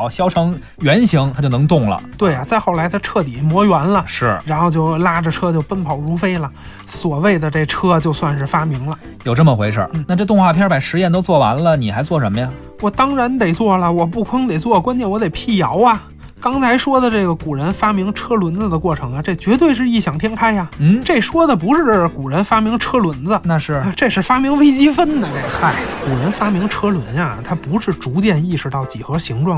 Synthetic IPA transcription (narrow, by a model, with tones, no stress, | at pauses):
ʊɕjɑ˥ʊʈ͡ʂʰɤ˧˥ŋ | ɥɛ˧˥nɕi˧˥ŋt̪ʰa˥t͡ɕo˥˩ʊnɤ˧˥ŋt̪ʊ˥˩ŋlə̰˩t̪we˥˩ɪɐ˩t͡sa˥˧ɪxo˥˩ʊla˧˥ɪt̪ʰa˥ʈ͡ʂʰɤ˥˩t̪i˨˩mwɔ˧˥jɥa˧˥nlə˧ʂʂɻ̩˥˩ɻa˧˥nxo˥˧ʊt͡ɕjo˥˩ʊla˥ʈ͡ʂə˨˩ʈ͡ʂʰɤ˥t͡ɕjo˥˧ʊpə˥npʰɑ˨˩ʊɻu˧˥fe˥ɪlə˨ | swɔ˨˩we˥˩ɪd̪ə˩ʈ͡ʂe˥˩ʈ͡ʂʰɤ˥˧t͡ɕjo˥˧ʊswa˥˧nʂɻ̩˥˩fa˥mi˧˥ŋlə˧ | jo˨˩ʊʈ͡ʂɤ˥˩mə˩xwe˧˥ɪʂə̰˞˥˧˩n̩˥˩na˥˧ʈ͡ʂɤ˥˧t̪ʊ˥˧ŋxwa˥˧pʰjɛ˥pa˨˩ɪʂɻ̩˧˥jɛ˥˩nt̪o˥ʊt͡swɔ˥˩wa̰˧˥nlə˧ni˨˩xa˧˥ɪt͡swɔ˥˩ʂə˧˥mə˧ja˨˧ | wɔ˨˩t̪ɑ˥ŋɻa˧˥nt̪e˨˩ɪt͡swɔ˥˩lə˩wɔ˨˩p̬u˥˩kʰɑ˥ŋt̪e˨˩ɪt͡swɔ˥˩kwa˥nt͡ɕjɛ˥˩nwɔ˧˥t̪e˨˩ɪpʰi˥˩jɑ˧˥ʊɐ˧˨ | kɑ˥ŋt͡sʰa˧˥ɪʂwɔ˥d̪ə˨ʈ͡ʂɤ˥˩ɡə˩ku˨˩ɻə˧˥nfa˥mi˧˥ŋʈ͡ʂʰɤ˥lwə˧˥nd͡zə˧d̪ə˨kwɔ˥˩ʈ͡ʂʰɤ˧˥ŋɐ˧ʈ͡ʂe˥˩t͡ɕɥɛ˧˥t̪̬we˥˧ɪʂ̬ɻ̩˥˧i˥˩ɕjɑ˨˩ŋt̪ʰjɛ˥ŋkʰa˥ɪɐ˨n̩˥˩ʈ͡ʂe˥˩ɪʂwɔ˥d̪ə˨pu˧˥ʂɻ̩˥˧ʈ͡ʂku˨˩ɻə˧˥nfa˥mi˧˥ŋʈ͡ʂʰɤ˥lwə˧˥nd͡zə˧na˥˧ʂɻ̩˥˩˧ʈ͡ʂɤ˥˧ʂɻ̩˥˩fa˥mi˧˥ŋwe˥ɪt͡ɕi˥fə˥nd̪ə˨˩na˥˧˩xa˥˩ɪku˨˩ɻə˧˥nfa˥mi˧˥ŋʈ͡ʂʰɤ˥lwə˧˥nja˧t̪ʰa˥pu˧˥ʂɻ̩˥˩ʈ͡ʂu˧˥t͡ɕjɛ˥˧ni˥˩ʂɻ̩˧˥t̪ɑ˥˩ʊt͡ɕi˨˩xɤ˧˥ɕi˧˥ŋʈ͡ʂwɑ˥˩